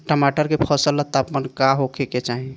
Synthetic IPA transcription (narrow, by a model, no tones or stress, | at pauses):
ʈəmaʈəɾkepʰəsəlːət̪ːapmənkaɦokʰeket͡ʃaɦĩ